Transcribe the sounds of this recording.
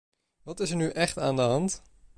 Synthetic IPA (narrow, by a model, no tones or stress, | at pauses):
ʋɑtɪsəɹnyʔɛχtaːndəɦɑnt